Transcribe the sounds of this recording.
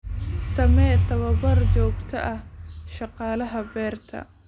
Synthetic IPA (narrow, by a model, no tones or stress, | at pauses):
sɐmɛːt̪ʰɐβɐbɐrt͡ʃɔːɡt̪ʰɐʔɐhʃɑqɑːlɐɦɐbɛːrt̪ʰɐ̰